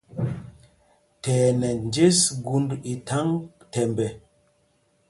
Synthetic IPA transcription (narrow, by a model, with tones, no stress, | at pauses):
tɛː˨nɛ˨nd͡ʒe˦sɡu˦ndi˨tʰa˦ŋ | tɛ˨mbɛ˨